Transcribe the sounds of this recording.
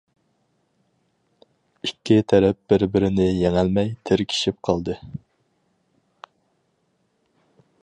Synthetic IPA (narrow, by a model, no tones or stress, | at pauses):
ikʲʰːit̪ʰɛɾɛp̚b̥ɪɾbɪɾɪnɪjeŋælmɛjt̪ʰɪɾkʲʰi̥ʃip̚qʰɑlˠd̪ɨ